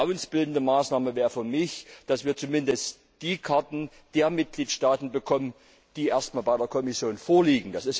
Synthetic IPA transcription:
aʊənsb̥ɪldn̩dəmaːsnaːməvɛːʁəfyːɐmɪçd̥asv̥iːɐt͡sumɪndəst | d̥iːkʰaɐtn̩ | d̥eːɐmɪt̚ɡ̥liːtʃtaːtn̩bəkʰɔmən | d̥iːʔeːɐstmaːlbaɪdeːɐkʰɔmɪsjoːnfoːɐliːɡŋ̩d̥asɪs

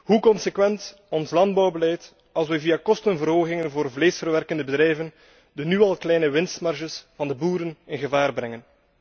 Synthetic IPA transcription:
ɦukɔnsekwɛnt | ɔnslɑnd̚bɑwbəlɛjt | ɑlˠs̬wɛviakɔstənvərɦoːɣɪŋənvoːrvleːsfərʋɛrkəndəbədɾɛjvən | dənyɑlˠklɛjnəʋɪnstmɑrʒəsv̥ɑndəbuːɾənɪnɣəvaːrbɾɛŋən

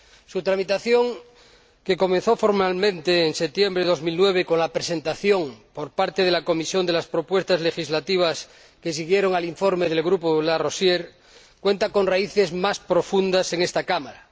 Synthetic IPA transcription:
sut̪ɾamit̪aθjo̞ŋ | ke̞ko̞mẽn̟θo̞fo̞ɾmalmẽ̞nt̪eːnset̪je̞mbɾeðo̞zmilnwe̞βeko̞nlapɾese̞nt̪aθjo̞ŋpo̞ɾpaɾt̪eð̞e̞lako̞misjo̞nd̪e̞laspɾo̞pwe̞st̪azle̞xizlat̪iβ̞as | kesiɣje̞ɾo̞ŋaliɱfo̞ɾmeð̞e̞lɣɾupolaro̞sjeɾ | kwe̞nt̪ako̞nraiθe̞zmaspɾo̞fund̪ase̞ŋest̪akamaɾa

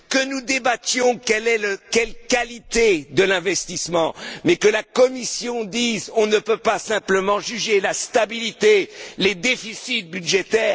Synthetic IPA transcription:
kənud̪ebat̪jɔ̃kɛlɛlkɛlkalit̪ed̪əlɛ̃vɛst̪ismɑ̃mɛkəlakɔmisjɔ̃d̪izɔ̃nəpøpasɛ̃pləmɑ̃ʒyʒelast̪abilit̪eled̪efisit̪̚byʒet̪ɛːʁ

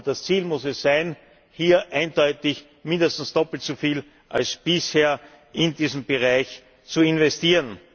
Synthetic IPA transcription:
d̥ast͡siːlmʊsɛsːæɪn | hiːɐʔæɪndɔʏtɪç | mɪ̃ndəstn̩sd̥ɔpl̩tt͡sofiːl | ʔa̰lsb̥ɪsheːɐ | ʔɪndiːzm̩bəʁaɪç | t͡suɪnvɛstiːʁən

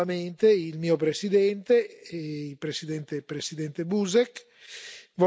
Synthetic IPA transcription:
ament̪eilmiːop̬ɾesid̪ɛnt̪eilpɾesid̪ɛnt̪epɾesid̪ɛnt̪ebuzɛk | vɔ

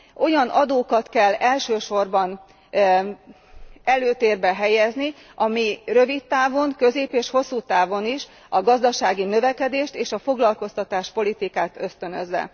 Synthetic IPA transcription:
ʔo̞jɒnʔɒd̪oːkɒt̪kɛlːɛlʃøːʃo̞rbɒn | ɛløːt̪eːrbɛɦɛjɛzni | ɒmirø̞vit̪ːaːvo̞ŋkø̞zeːpeːʃho̞sːuːt̪aːvo̞niʃ | ɒɡɒzd̪ɒʃaːɡinø̞vɛkɛd̪eːʃt̪eːʃɒfo̞ɡlɒlko̞st̪ɒt̪aːʃpo̞lit̪ikaːt̪øst̪ø̞nøzːɛ̰

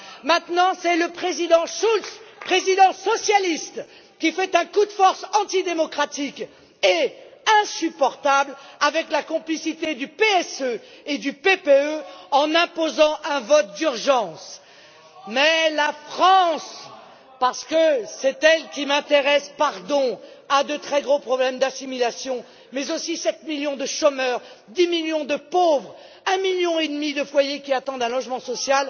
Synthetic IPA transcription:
mɛ̃t̪nɑ̃sɛləpχezid̪ɑ̃ʃulspχezid̪ɑ̃sɔsjalist̪ | kʲifɛt̪ɛ̃kud̪əfɔʁsɑ̃t̪id̪emɔkχat̪ik | eɛ̃sypɔʁt̪ablavɛklakɔ̃plisit̪ed̪ypeɛsø | ed̪ypepeøɑ̃nɛ̃pozɑ̃ʔɛ̃vɔt̪̚d̪yʁʒɑ̃s | mɛlafχɑ̃s | paʁsə̥kəsɛt̪ɛlkʲimɛ̃t̪eʁɛspaʁd̪ɔ̃ | ad̪ət̪χɛɡʁopχɔblɛmd̪asimilasjɔ̃ | mɛzosisɛt̪miljɔ̃d̪əʃɔmœʁd̪imilɥjɔ̃d̪əpovʁ | ɛ̃miljɔ̃ed̪mid̪əfwajekʲiat̪ɑ̃d̪ɛ̃lɔʒmɑ̃sɔsjal

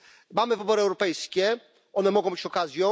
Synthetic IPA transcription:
mamɘvɘbɔɾɘɛwɾɔpɛjskʲɛ | ʔɔnɛmɔɡɔ̃w̃bɘt͡ɕɔkazʲjɔ̃

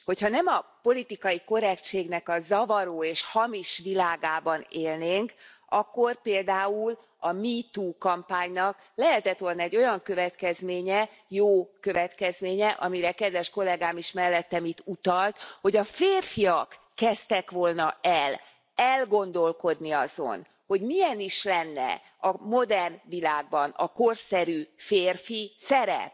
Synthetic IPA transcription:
ho̞chɒnɛmɒpo̞lit̪ikɒjiko̞ɾɛkt͡ʃeːɡnɛkɒzɒvɒɾoːeːʃhɒmiʃʋilaːɡaːbɒneːlneːŋk | ɒkːo̞rpeːld̪aːul | ɒmit̪uːkɒmpaːɲnɒk | lɛɦɛt̪ɛt̪ʋo̞lnɒɛɟːo̞jɒŋkø̞vɛt̪kɛzmeːɲɛ | joːkø̞vɛt̪kɛzmeːɲɛʔɒ̰miɾɛkɛd̪ʋɛʃko̞lɛɡaːmiʃmɛlːɛt̪ːɛmit̪ːut̪ɒlt̪ho̞ɟɒfeːrfiɒkː | ɛst̪ɛkʋo̞lnɒʔɛl | ɛlɡo̞nd̪o̞lko̞d̪niɒzo̞̰n | ho̞ɟmijɛniʃlɛnːɛ̰ | ɒmo̞d̪ɛrnʋilaːɡ̚bɒnɒ̰ko̞rsɛɾyːfeːrfisɛɾɛ̰p

